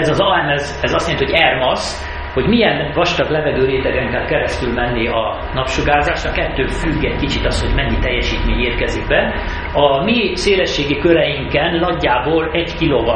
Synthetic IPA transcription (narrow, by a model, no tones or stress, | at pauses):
ɛzɒzɒɛmɛz | ɛzɒst̪jenihoɛrmɒs | ho̞ɟmijɛnvɒʃt̪ɒklɛvɛɡøːɾeːt̪ɛɡɛŋkɛlkɛɾɛst̪ylmɛnːiɒ | nɒpʃuɡaːzaːʃnɒkɛt̪ːøːfyɡːɛɟkit͡ʃit̪ɒsho̞ɟmɛɲːit̪ɛjːɛʃiːt̪meːɲeːrkɛziɡ̚bɛ | ɒmiseːlɛʃːeːɡikøɾɛjiŋkɛnlɒɡːaːboːlɛɟkiloːvɒ